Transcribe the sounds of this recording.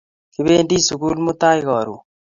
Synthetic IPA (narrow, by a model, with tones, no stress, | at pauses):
kiβeː˦ndi˦suɣu˦lmo˦t̪a˦iɣɔ˨ɾu˨